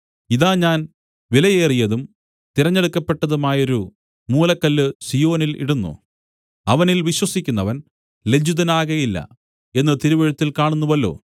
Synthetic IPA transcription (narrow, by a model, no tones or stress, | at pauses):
iðaːɲaːn | ʋilɐjeːrijɐðum | t̪iɾɐɲːeɽukːɐpːe̞ʈːɐðumaːjo̞ɾu | muːlɐkːɐlːɨsijo̞ːnilḭɽunːṵ | ɐʋɐnilʋiɕwɐsikʲːunːɐʋɐn | le̞d͡ʑuðɐnaːɣɐjilːɐ̰ | e̞nːɨt̪iɾuʋɐɻut̪ːilkaːɳunːuʋɐlːo̞̰ː